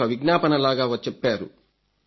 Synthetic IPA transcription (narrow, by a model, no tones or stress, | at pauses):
ɐʋiɡnaːpɐnɐlaːɡaːʋɐt͡ʃːɛpːaːɾṵ